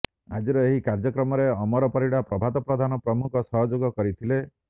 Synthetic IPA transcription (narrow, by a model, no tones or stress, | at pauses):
a̰d͡ʒiɾɔeɦikaɾd͡ʒɔkɾɔmɔɾeɔmɔɾɔpɔɾiɽapɾɔbʱat̪ɔpɾɔd̪ʱanɔpɾɔmukʰɔsɔɦɔd͡ʒoɡɔkɔɾit̪ʰile